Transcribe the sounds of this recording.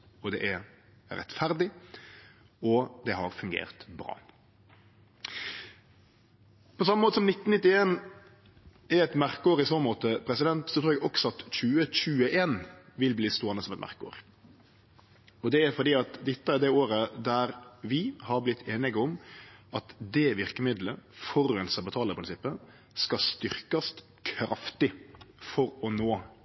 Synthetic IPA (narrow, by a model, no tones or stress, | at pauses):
ɔd̪ɛ̰ʔæ | ɾɛ̰t̪fæɾd̪ɪ | ɔd̪ɛɦɑ̰ɾfʉŋɡḛːʁt̪bɾɑ̰ː | pʰɔsɑməmoːt̪əsɔmnɪt̪ːn̩nɪt̪ːɪeːn | æɾɛt̪mæɾkəoːɾɪsɔnmoːt̪əpʰɾɛsɪd̪ɛnt̪sɔt̪ʰɾuːɾɛɡɔksɔɑt̪çʉːəc͡çʉːəʔeːnʋɪlbliːst̪oːənəsɔmɛt̪mʔæ̰ɾkəo̰ːɾ | ɔd̪ɛæɾfɔɾd̪iːɑt̪d̪ɪt̪ːəæɾd̪ɛoːɾəd̪æɾʋɪhɑɾblɪt̪ʰːeːnɪɡɔmʔɑt̪d̪ɛʋɪɾkəmɪd̪ləfɔɾɛnsɑbət̪ʰɑːləɾpʰɾɪnsɪpːə | skɑst̪ʏɾkɑst̪ | kʰɾɑft̪ɪfɔɾɔnoː